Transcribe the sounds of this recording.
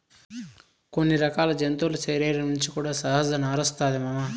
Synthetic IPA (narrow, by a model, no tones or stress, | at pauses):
ko̞nːiɾɐkaːlɐd͡ʒɐnt̪ulut͡ʃeːɾeːɾɐnuɲt͡ʃikuːɽaːsɐɦɐzɐnaːɾɐst̪aːd̪imɐma